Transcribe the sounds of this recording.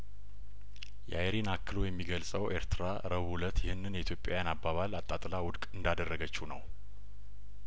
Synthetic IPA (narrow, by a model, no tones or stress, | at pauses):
jʔa̰jɾinakːɨlo̞jɛmːiɡəlsʼəwʔeɾt̪ʰɨɾa | ɾəβulət̪jɪhɨnːɨnjɛit̪ʰjo̞pʼjawjanabːaβalat̪ʼːat̪ʼlawʊd̪kʼɨnd̪ad̪ərːəɡət͡ʃːunə̰w